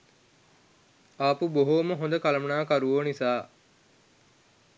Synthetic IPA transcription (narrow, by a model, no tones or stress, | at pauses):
aːpuboɦoːməɦond̪əkɐlɐmɐnaːkɐɾuʋoːnisaː